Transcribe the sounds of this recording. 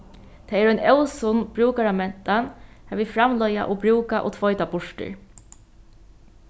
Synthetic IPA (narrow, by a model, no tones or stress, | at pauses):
t̪ʰɛɛːɾɔjnɛwsʊnb̥ɹuːkaɾamɛnt̪anhavifɾamlɔja̰ʔɔbɾuːkaʔɔ̰t̪ʰvɔjt̪abʊʂʈɪ̰ɹ